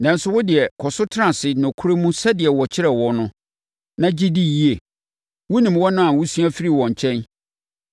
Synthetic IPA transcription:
nã˨˦n̩˦sʊ˦wʊ˦dɪ˨ɛ˨kʰɔ˨sʊ˦tʰɾã˨sɪ˨nʊ̃˨kʰu˦ɾe˦mũ˦sɛ˦dɪ˨ɛ˨wɔ˨t͡ɕʰɪ˦ɾɛ˨wɔ˨nʊ̃˦ | nã˦d͡ʑi˦di˦˨ji˦e˨ | wʊ˦nĩ˨mwɔ˦nʊ̃˦ã˨wʊ˦su˦a˦fi˦ɾi˦˨wɔ̃˨ɲ˨t͡ɕʰɛ̃˦n

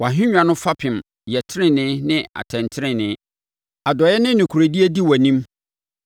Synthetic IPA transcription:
wa˨ɦɪ̃˦ɲᶣã˨nʊ̃˦fa˦pʰɪ̃˨m | jɛ˨tʰɪ˦ɾɪ̃˦nɪ̃˦nɪ̃˦a̰˨tʰɛ̃˨ntʰɪ˦ɪ̃˦nɪ̃˨˦ | a˨dɔ˨jɛ˦nɪ̃˦nɪ̃˨kʰu˨ɾe˨di˦e˦di˦wæ˨nĩ˦m

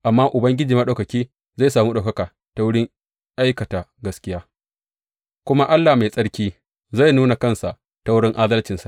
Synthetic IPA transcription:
ʔa˨mːaː˦ʔʊ˨bɐ˦ŋɡʲɪ˦d͡ʒiː˨mɐ˦ɗa˨wkɐ˨kʲiː˦ | za˦˨jsaː˨muː˦ɗa˨kɐ˦kaː˨ | ta˨wʊ˦ɽɪ˦ŋ | ʔa˦jkɐ˨taː˨ɡɐ˦skʲɪ˦jaː˦ | kʷʊ˦ma˦ʔa˦lːaː˨ma˨sʼɐ˦ɽkʲiː˦ | za˦˨jnuː˦na˨kɐ˦˨nsa˨ʔ | ta˦wʊ˦ɽɪ˦ŋʔaː˦dɐ˦lt͡ʃɪ˨nsa˨ʔ

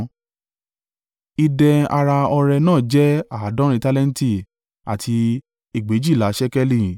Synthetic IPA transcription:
i˧dɛ˧a˧ɾa˧ɔ˧ɾɛ˧nãː˦˨d͡ʒɛ˦a˨˦dɔ̃˦ɾ̃ĩ˧ta˦lɛ̃˦n̩˦ti˦˨ | a̰˨tʰi˧ | i˦˨ɡ͡be˨˦d͡ʒi˦˨la˨˦ʃɛ˦kɛ˦li˦˨

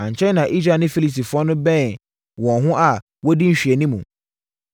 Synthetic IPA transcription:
ã˨ɲ̩˨t͡ɕʰɛ̃˦nã˨ʔi˦sɾa˨nɪ̃˦fi˦li˨si˨fʊ˨˦ɔ˦nʊ̃˦bɛ̃˦˨ | wɔ̃˨ɦʊ̃˦ʔa˨ | wɔ˦di˦ɲ̩˨ɕᶣɥɛ˨nĩ˦mũ˨

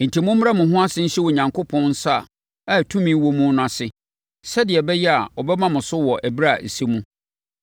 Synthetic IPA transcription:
n̩˨tʰi˨mʊ̃˦mː˦ɾa˦mʊ̃˨ɦʊ̃˦a˦sɪ˦n̩˦ɕɛ˦wɔ˨ɲã˨ŋkʰʊ˦pʰɔ̃˦nn̩˦sa˦˨ | a˦˨tʰũ˦mĩ˦wɔ˦mũ˦nʊ̃˦˨ã˨sɪ˦ | sɛ˦dɪ˨ɛ˨bɛ˦jɛ˦a˨wɔ˨bɛ˦mã˦mʊ̃˨sʊ˦wɔ˨ʔæ˨bi˦ɾa˦˨se˦mũ˦

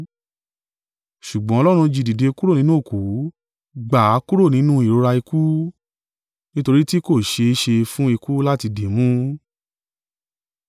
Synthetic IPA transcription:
ʃu˨ɡ͡bɔ̃˨˦ɔ˧lɔ˦ɾ̃ũ˧d͡ʒi˨di˨de˨˧ku˦ɾo˦˨nĩ˨˦nũ˦o˦˨ku˨˦ | ɡ͡ba˨˦ku˦ɾo˦˨nĩ˨˦nũ˦i˨ɾo˧˦ɾa˧i˧ku˦ | nĩ˦to˧ɾi˦ti˦ko˦˨ʃe˧˦ʃe˧fũ˦i˧ku˦la˦ti˧de˨mũ˦

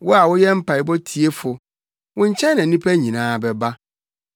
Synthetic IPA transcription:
wʊ˦a˨wʊ˦jɛ˦m̩˦pʰa˨ɪ˨bɔ˦tʰi˨e˦fʊ˨ | wʊ̃˦ɲ̩˦t͡ɕʰɛ̃˦nːã˨˦nĩ˦pʰæ˦ɲĩ˨nãː˦˨bɛ˨ba˦

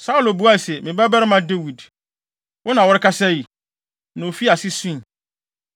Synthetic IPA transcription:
sa˦u˨lo˨bu˦a˦˨sɛ˨mɪ̃˨bɛ˦ba˦ɾɪ˦mã˦de˦wi˨d | wʔɔ˦nã˨wɔ˦ɾɪ˦kʰa˦sɛ˦ji˨ | nã˨o˨fi˦a˨sɪ˦sũ˦˨

